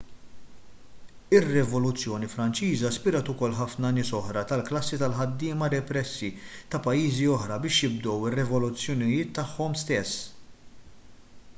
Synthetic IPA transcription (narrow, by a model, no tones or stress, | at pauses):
ɪrːɛvɔlʊt͡sːjɔːnifɾɐnt͡ʃiːzɐspɪɾɐt̪ʊkɔlːħɐfnɐnɪːsɔħɾɐt̪ɐlklɐsːit̪ɐlħɐd̪ːɪːmɐɾɛpɾɛsːit̪ɐpɐjːiːziɔħɾɐbɪːʃjɪbd̪ɔwɪrːɛvɔlʊt͡sːjɔnɪjɪːt̪ːɐħːɔmst̪ɛsː